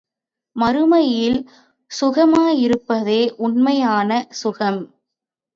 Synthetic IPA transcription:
mɐɾɯmɐjɪl | sʊɣɐmaːjɪɾɯpːɐðeːʔʊnmɐjaːnɐsʊɣɐm

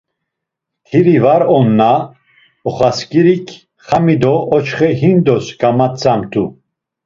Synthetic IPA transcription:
k̪ʰiɾivaɾɔnːa | ɔχaskiɾikʰ | χamid̪ɔɔt͡ʃχɛɦind̪ɔsɡamat̪t͡sʰamt̪ʰʼu

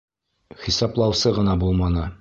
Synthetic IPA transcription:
χisɑplˠɑwsɤʁɤ̆nɑbulˠmɑnɤ

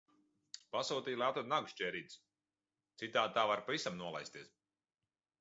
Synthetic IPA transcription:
pasuːt̪ijlˠaːt̪ɔd̪naɡʃt͡ʃɛːɾid̪s | t̪sit̪aːd̪̚t̪aːvaɾpavisamnuɔlˠa̰jst̪iɛs

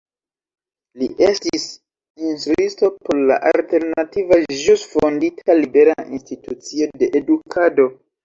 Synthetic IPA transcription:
liʔestis | instɾuisto̞po̞ɾla̰ʔalte̞ɾnativaʒusfonditʰalibe̞ɾainstitut͡sio̞de̞ʔedukʰado̞

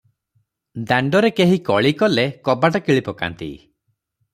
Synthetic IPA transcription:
d̪aɳɖɔɾekeɦikɔɭikɔlekɔbaʈakiɭipɔka̰nt̪ḭ

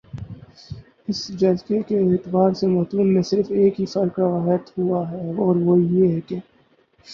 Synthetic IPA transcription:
ɪsd͡ʒɐlsekeːt̪baːɾsemɔːt̪uːnmẽsɪɾfeːkɦifɐɾkaʋaːɦət̪huaɦɛɔːɾʋojeɦɛke

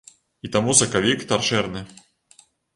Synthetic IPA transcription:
it̪amusɐkavʲikt̪arʂɛrnɨ

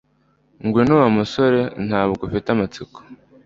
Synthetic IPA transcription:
ŋɡwenuwamuso̞ɾe̞nhaːβuɡufitamat͡siko̥

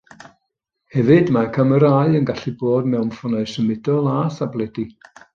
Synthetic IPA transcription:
hɛvɨdmakʰəməɾaːɨənɡaɬiboːdmɛwmfɔnaɨsəmɪdɔlˠaːθablˠɛdi

